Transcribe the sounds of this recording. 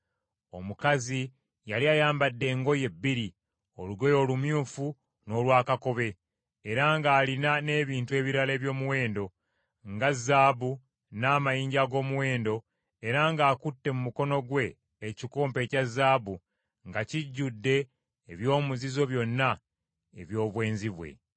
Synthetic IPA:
o̞̰mukazi | jaliajaːmbadːe̞ːŋɡo̞je̞bːiɾi | o̞luɡo̞jo̞ːlumjuːfu | no̞ːlwaːkako̞βe̞ː | ɾaŋɡaːlinane̞ːβiːntue̞ːβiɾale̞ːβjo̞ːmuwe̞ːndo̞ | ŋɡazːaːβu | naːmajiːɲɟaɡo̞ːmuwe̞ːndo̞ | eɾaŋɡaːkutːe̞mumuko̞no̞ɡwe̞ː | cikoːmpe̞ːcazːaːβu | ŋɡaciɟːudːe̞ː | βjo̞ːmuzizo̞βjo̞nːa | ḛβjo̞ːβwe̞ːnziβwe̞̰

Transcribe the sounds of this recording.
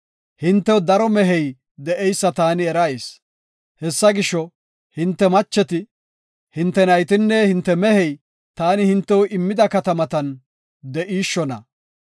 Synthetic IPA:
hɪnt̪ːɛwd̪ɐɾɔmɛɦɛj | d̪ɛʔɛjsːɐt̪aːnɪɛɾɐjs | hɛsːɐɡɪʃːɔ | hɪnt̪ːɛmɐt͡ʃːɛt̪ɪ | hɪnt̪ːɛnɐjt̪ɪnːɛhɪnt̪ːɛmɛhɛj | t̪aːnɪhɪnt̪ːɛwɔʔɪmːɪd̪ɐkɐt̪ɐmɐt̪ɐn | d̪ɛʔiːʃːɔnɐ̰

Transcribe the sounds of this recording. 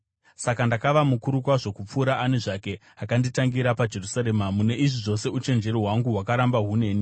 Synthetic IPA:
sakandakaʋamukuɾukwaʐo̞kup͡fuːɾaʔaneʐake̞ | akanditaŋɡiɾapad͡ʒe̞rusaɾemamune̞ʔiʐiʐo̞se̞ut͡ʃe̞nd͡ʒe̞ɾiɦwaŋɡuɦwakaɾambaɦune̞ːni

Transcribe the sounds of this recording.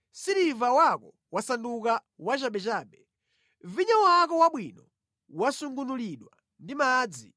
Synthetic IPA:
siɾivawakɔ | wasandukawat͡ʃaɓɛt͡ʃaːɓɛ | viɲawakɔwaɓwinɔ | wasuŋɡunuliɗwa̰ | ndimaːd͡zi

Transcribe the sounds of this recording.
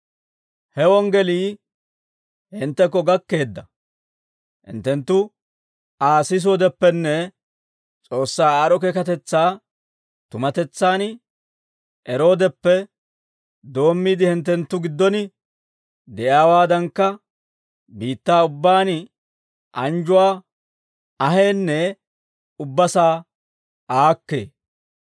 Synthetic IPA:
hɛwɔŋɡɛliː | hɪnt̪ːɛkːɔɡɐkːe̞ːd̪ːɐ | hɪ̰nt̪ːɛnt̪ːʊ | aːsɪs̬oːd̪ɛpːɛnːɛ | t͡sʼo̞ːsːaːaɾɔkɛkɐt̪ɛt͡sːaː | t̪ʊmɐt̪ɛt͡sːaːn | ʔɛɾo̞ːd̪ɛpːɛ | d̪o̞ːmːiːd̪ɪhɪnt̪̬ːɛnt̪ːʊɡɪd̪ːɔnɪ | d̪ɛʔjaːwaːd̪ɐŋkːɐ | biːt̪ːaːʊbːaːn | ʔɐnd͡ʒʊwaː | ɐɦeːnːɛ | ʊbːɐsaː | ʔaːkːe̞̰ː

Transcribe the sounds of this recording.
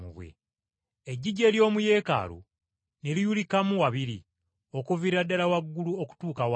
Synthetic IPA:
ṵβwḛ | eɟːiɟe̞ːljo̞ːmuje̞ːka̰lo̰ | ne̞lijulikamuwaβiɾi | okuviɾadːalawaɡːuluoku̥tuːkawa

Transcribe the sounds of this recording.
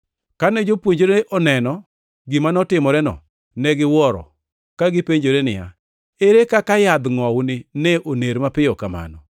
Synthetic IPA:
kanɛd͡ʒopwoɲd͡ʒoɾeʔɔnɛnɔ | ɡɪmanɔtɪmɔɾɛnɔ̰ | nɛɡɪwɔɾɔ̰ | kaɡɪpeɲd͡ʒoɾenɪja̰ | eɾekakajad̪ŋɔwnɪnɛʔoneɾmapɪjɔkama̰nɔ̰

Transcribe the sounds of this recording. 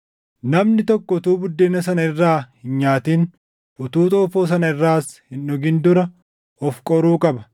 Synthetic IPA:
nɐmnɪt̪ɔkːɔʊt̪uːbʊd̪ːeːnɐs̬ɐnɐɪrːaːhɪnɲaːt̪iːn | ʊt̪uːt̪ʼoːfoːs̬ɐnɐɪrːaːshɪnɔɡɪnd̪ʊɾɐ | ɔfkʼɔɾuːkʼɐbɐ̥

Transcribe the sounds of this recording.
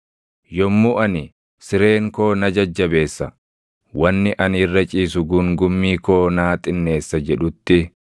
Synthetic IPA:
jɔmːuʔɐnɪ | sɪɾe̞ːŋko̞ːnɐd͡ʒɐd͡ʒːɐbe̞ːsːɐ | wɐnːɪʔɐnɪrːɐt͡ʃʼiːsʊɡʊŋɡʊmːiːko̞ːnaːt̪ʼɪnːe̞ːsːɐd͡ʒɛᶑʊt̪ːɪ

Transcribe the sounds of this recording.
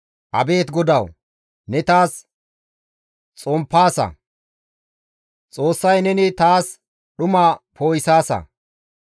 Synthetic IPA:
ʔɐbe̞ːt̪ɡɔd̪ɐw | nɛt̪aːs | t͡sʼɔmpːaːsɐ̰ | t͡sʼo̞ːsːɐjnɛnɪt̪aːs | ɗʊmaːpo̞ːjɪsaːsɐ̰

